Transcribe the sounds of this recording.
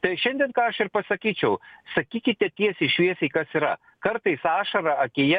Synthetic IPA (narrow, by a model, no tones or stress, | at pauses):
t̪ɐɪʃʲɛnʲd̪ʲiɛnkɑːɐʃɪɾpɐsɐkʲiːt͡ʃʲɛʊsɐkʲiːkʲɪt̪ʲɛt̪ʲiɛsɪʃʲʋʲiɛsʲɐɪkɐsiːɾɐ̰ | kɐɾt̪ɐɪsɑːʃɐɾɐɐkʲejɛ